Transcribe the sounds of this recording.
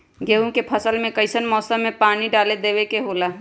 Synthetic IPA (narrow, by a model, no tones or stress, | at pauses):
ɡeːũkepʰəsəlmẽkəɪsənmɔːsə̃mːẽpaːñiɖaːled̪eːʋekeɦoːlaː